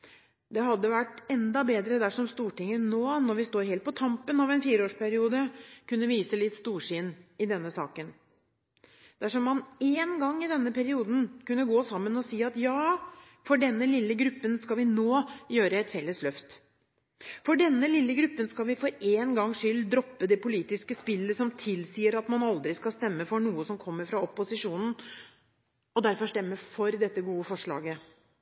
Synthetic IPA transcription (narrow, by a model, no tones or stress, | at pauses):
d̪ɛɦɑd̪ːəʋæʈɛnd̪ɑbeːd̪ɾəd̪æʂɔmst̪uːʈɪŋːənoːnɔɾʋɪst̪oːɾheːlt̪pʰɔt̪ʰɑmpənɑʋɛnfiːɾəoːʂpʰæɾɪuːd̪əkʉnːəʋiːsəlɪt̪st̪uːʂɪnɪd̪ɛnːəsɑ̰ːkən | d̪̥æʂɔmːɑneːnɡɑŋːɪd̪ɛnːəpæɾɪuːd̪n̩kʉnːəɡoːsɑmːənɔsiːɑt̪jɑː | fɔɖɛnːəlɪlːəɡɾʉpːənskɑlʋɪnoːjøːɾəɛt̪fɛlːəslœft̪ | fɔɖɛnːəlɪlːəɡɾʉpːənskɑlʋɪfɔɾeːnɡɑŋːʂʏld̪ɾɔpːəd̪ɛpʊliːt̪ɪskəspɪlːəsɔmt̪ʰɪlsiːəɾɑt̪mɑnɑld̪ɾɪskɑlst̪ɛmːəfɔɳuːəsɔmkʰɔmːəɾfɾɑɔpːʊsɪʂuːnn̩ | ɔd̪æɾfɔʂt̪ɛmːəfɔɾd̪ɛt̪ːəɡuːəfɔʂɭɑ̰ːɡə